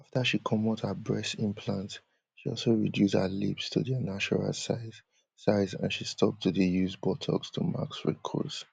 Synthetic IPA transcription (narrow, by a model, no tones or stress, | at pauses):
aftəʃikʰɔmɔtəbɹɛsɪ̃npʰlãnt | ʃiɔlˠsoɹidjushalḭpstʰuðənat͡ʃɔɹa̰lsa | saɪzã̰nʃistʰɔp̚tʰudijuzbɔtʰɔ̰kstʰuma̰ksɹḭkʰɔ̰s